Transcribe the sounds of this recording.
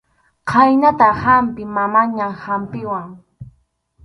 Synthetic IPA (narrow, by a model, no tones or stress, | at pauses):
qʰajnat̪ahampɪmamaɲamhampɪwaŋ